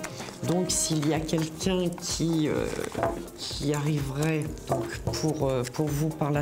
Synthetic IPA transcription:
d̪ɔ̃ksiliakʲɛlkʲɛ̃kʲʰiø̰ | kʲʰiaʁivʁɛd̪̥ɔ̃kpʰuʁøpʰuʁvupaʁla

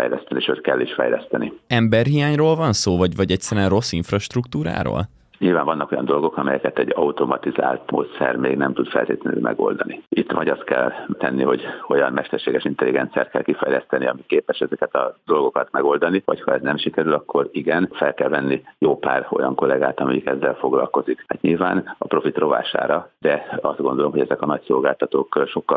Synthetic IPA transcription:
fɛ̰jlɛst̪ɛniʃøːt̪kɛlːiʃfɛjlɛst̪ɛniɛmbɛrɦijaːɲroːlvɒnsoːvɒɟvɒɟɛc̚tsɛɾyɛnro̞sːiɱfrɒʃt̪rukt̪uːɾa̰ːɾo̰ːl | ɲilvaːɱvɒnːɒkojɒnd̪o̞lɡo̞kɒmɛjɛkɛt̪ɛɟɒut̪o̞mɒt̪iza̰ːlt̪mo̰ːt̪sɛ̰rmeːɡnɛmt̪ud̪fɛ̰lt̪eːt̪ɛnø̰ːmʔɛ̰ɡo̞̰ld̪ɒniit̪ːʋɒɟɒst̪kɛlt̪ɛnːiɦo̞ɟo̞jɒnmɛʃt̪ɛrʃeːɡɛʃint̪ɛliɡɛnt̪sijaːt̪̚kɛ̰lkifɛjlɛst̪ɛniɒmikeːpɛʃɛzɛkɛt̪ɒd̪o̞lɡokɒt̪mɛɡo̞ld̪ɒnivɒ̰chɒɛznɛmʃikɛɾylɒkʰːo̞ɾiɡɛnfɛlkɛlvɛnːijoːpaːro̞jɒŋko̞lɛɡaːt̪ɒmiikɛzːɛlfo̞ɡlɒ̰lko̞zikhat̪ɲilvaːnɒpro̞fit̪ro̞va̰ːʃa̰ːɾɒd̪ɛɒzd̪ɡo̞nd̪o̞lo̞mɦoɟɛzɛkɒnɒcso̞lɡaːlt̪ɒt̪oːkʃo̞kːɒ

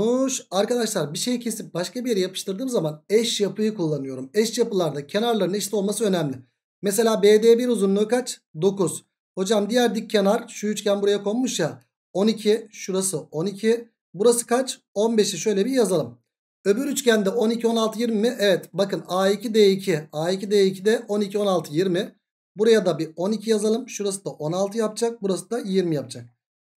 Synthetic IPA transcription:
uʃaɾkad̪aʃlˠaɾbiʃe̞jɛcʰe̞sip̚baʃkabijeɾɛjapʰɯʃt̪ʰɯɾd̪ɯːmzamanɛʃjapʰɯjɯkulˠːanɯjo̞ɾumɛʃjapɯlˠaɾd̪acʰe̞naɾlˠaɾɯnɛʃt̪ʲiolmasɯø̞næmlʲɪ | mese̞lʲaːbeːd̪eːbiɾuzunlˠuːkat͡ʃd̪o̞kuz̥ | ho̞d͡ʒamd̪ijæɾd̪ic̚ːʰe̞naɾʃuyt͡ʃcʰʲænbuɾajakʰo̞lˠmuʃja | o̞nicʰiʃuɾasɯo̞nicʰi | buɾasɯ̥kʰat͡ʃ | o̞nbe̞ʃiʃø̞jlʲɛbiɾjazalˠɯm | ø̞byɾyt͡ʃcʰænd̪ɛʔo̞nicʰio̞nalˠt̪ʰɯjiɾmimiʔɛvɛt̪bakɯnaːicʰid̪eːicʰiaːicid̪eːicʰid̪ɛʔo̞nicʰio̞nalˠt̪ʰɯjiɾmɪ | buɾajad̪abio̞nicʰijazalˠɯmʃuɾas̬ɯd̪aʔo̞nalˠt̪ʰɯjap̚d͡ʒak̚buɾasɯd̪ajiɾmijap̚d͡ʒʰak̚

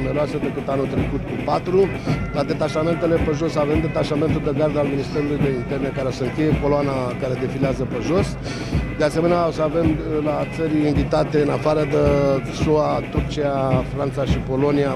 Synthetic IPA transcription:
me̞ɾeaset̪ekɨt̪anut̪ɾe̞kut̪kupat̪ɾu | lad̪e̞t̪aʃame̞nt̪e̞le̞peʒo̞save̞md̪e̞t̪aʃame̞nt̪uld̪eɡard̪alminist̪e̞ɾulujd̪e̞int̪e̞rne̞kaɾeosəɨŋkʲejeko̞loanakaɾe̞d̪efileazəpeʒo̞s | d̪ease̞me̞neasəave̞mlat̪səɾʲiɱvit̪at̪e̞ɨnafaɾəd̪e | suat̪urt͡ʃiafɾant̪saʃipo̞lo̞nia

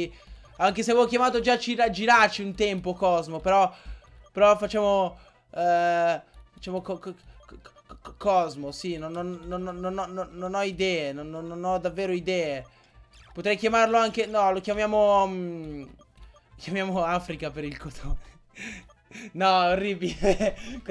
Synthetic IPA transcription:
aŋkeseavokjamaːt̪od͡ʒat͡ʃiɾad͡ʒiɾat͡ʃiunt̪ɛmpokɔzmopeɾɔ | peɾɔfat͡ʃːaːmo | fat͡ʃːaːmok | kɔzmosinonːonːonɔnonɔnoːonɔid̪ɛːenonːonːonɔd̪avːeːɾoid̪ɛːe | pot̪ɾɛjkjamarloaŋkenɔlokjamjaːmom | okjamjaːmoafɾikapeɾilkot̪ʰone | nɔorːiːbile

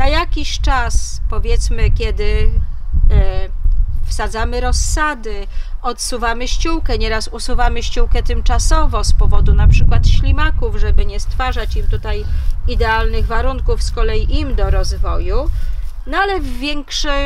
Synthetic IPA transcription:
najakʲiɕt͡ʂaspɔvʲjɛt̪smɘkʲɛd̪ɘ | fsad̪zamɘɾɔsːad̪ɘɔt̪suvamɘɕt͡ɕuwkɛɲɛɾasusuvamɘɕt͡ɕuwkɛt̪ɘmt͡ʂasɔvɔspɔvɔd̪unapʂɘkwat̪ɕlʲimakuvʐɛbɘɲɛst̪faʐat͡ɕimt̪ut̪ajid̪ɛalnɘɣvaɾuŋkufskɔlɛjiʔimd̪ɔɾɔzvɔjunalɛvːʲjɛŋkʂɛ

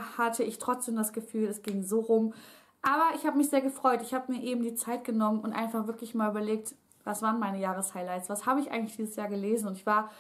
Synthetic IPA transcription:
hatʰəɪçtʁ̥ɔt͡sd̥eːmdasɡ̥əfyːlɛsɡ̥ɪŋzoːʁʊm | ʔaːbɐʔɪçhaːbəmɪçz̥eːɐɡəfʁ̥ɔʏtɪçhaːbəmiːɐʔeːbm̩diːt͡saɪt̚ɡ̥ənɔmənʊntʔa̰ɪnfaχv̥ɪɐklɪçmaːlʔyːbɐleːk̚t | vasv̥aːʁnmaɪnəjaːʁ̞əshaɪlaɪtsv̥ashaːbəɪçʔa̰ɪɡŋtlɪçd̥iːzəsjaːɐɡəleːzn̩ʊntɪçv̥aːɐ

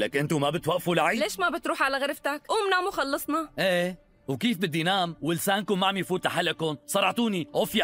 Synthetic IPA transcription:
lakʔɪnt̪umabɪt̪waʔfulaʕiːleːʃmabɪt̪ɾuːħʕalaɣɪɾft̪akʔuːmnaːmuxɑlːɑsˤnɑʔeː | wkiːfbɪd̪ːinaːmwɪlsaːnkʊmaʕamjfuːt̪laħalʔkʊnsˤɑɾˤɑʕt̪uːniʕofja

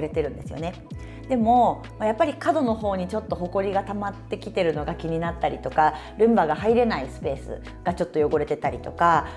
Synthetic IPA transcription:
ɾe̞t̪e̞ɾɯ̟̃nd̪e̞sɨjo̰ne̞ | d̪̥e̞mo̞ | majapːaɾʲikad̪o̞no̞ɦo̞ːɲ̟it͡ɕo̞t̪ːo̞ɦo̞ko̞ɾʲiɡat̪amat̪ːe̞kʲit̪e̞ɾɯ̟no̞ɡakʲiɲ̟inat̪ːaɾʲit̪o̞ka | ɾɯ̟̃mbaɡahaiɾe̞naisɨ̥pe̞ːsɨ̰ | ɡ̥at͡ɕo̞t̪ːo̞jo̞ɡo̞ɾe̞t̪e̞t̪aɾʲit̪o̞ka

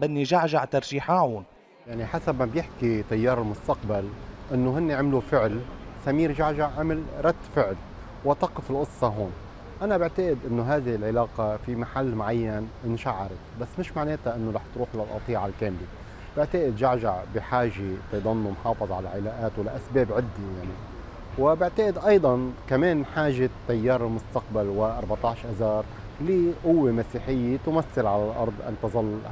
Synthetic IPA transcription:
bɪnːiʒaʕʒaʕt̪ɑɾˤʒiːħaːʕʊn | jaʕniħasabmabjɪħkit̪ajːɑːɾɪlmʊst̪aqbalʔɪnːoɦɪnːeʕɪmlufɪʕlsamiːɾʒaʕʒaʕʕamɪlɾˤɑd̪ːfɪʕl | wat̪ɑqɪfɪlʔʊsˤːɑɦoːn | ʔanabɪʕt̪aʔɪd̪ʔɪnːoɦaːðɪɪlʕɪlaːqɑfimaħalːmaʕajːanʔɪnʃaʕːɑɾˤɪt̪̚basːmɪʃmaʕneːt̪aʔɪnːoɾɑħt̪ɾuːħlalʔɑ̰t̪ˤiːʕalkeːmli | b̥ɪʕt̪aʔɪd̪ʒaʕʒaʕbiħaːʒet̪ɑd̪ˤɑnːumħɑːfɨðˤʕala̰ʕɪlaːʔaːt̪walːaʔasbeːbʕɪd̪ːijaʕni | wɪbɪʕt̪aʔɪd̪ʔɑjd̪ˤɑnkameːnħaːʒet̪ːajːɑːɾˤɪlmʊst̪aq̚balwɪʔɑɾˤbɑʕt̪ˤɑːʃʔazɑːɾˤ | liʔʊwːemasiːħɪjːet̪ʊmaθːɪlʕalalʔɑ̰ɾˤd̪ˤʔa̰nt̪ɑzˤɑlː

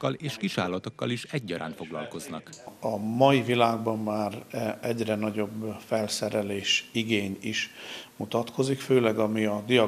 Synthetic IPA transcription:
kːɒleːʃkiʃa̰ːlːɒt̪o̞kːɒliʃɛɟːɒɾʔaːnfo̞ɡlɒ̰lko̞znɒkɒmɒjivilaːɡ̚bɒmːaːrɛɟrɛnɒɟo̞bfɛlsɛɾɛleːʃiɡeːɲiʃmut̪ɒt̪kʰo̞zikføːlɛɡɒmiɒd̪ijɒ

